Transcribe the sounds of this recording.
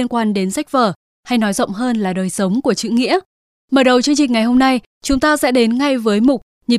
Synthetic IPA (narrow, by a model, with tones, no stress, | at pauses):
ənkwaː˧nɗe˨˦nsa˦˥jk̚vəː˨˩ | ha˧jnɔ˨˦jzə̰˧˨wŋ͡mɦəː˧nlaː˨˩ɗəː˨˩jsə˨˦wŋ͡mku˧˩ət͡ɕɨ̰˧˨ŋḭ˧˥ə | məː˨˩ɗə˨˩wt͡ɕɨ˧əŋt͡ɕï˨˩ŋ̟ŋa˨˩jɦo˧mna˧j | t͡ɕʊ˨˦ŋ͡mt̪aː˧sɛ̰˧˥ɗe˨˦nŋa˧jvəː˨˦jmʊ˨˩k͡p̚ | ɲi˨˩